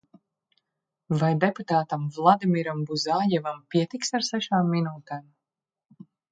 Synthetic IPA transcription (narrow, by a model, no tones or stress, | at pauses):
vajd̪ɛput̪aːt̪amvlˠad̪imiɾambuzaːjɛvampʲiɛt̪iksaɾsɛʃaːmːinuːt̪ɛːm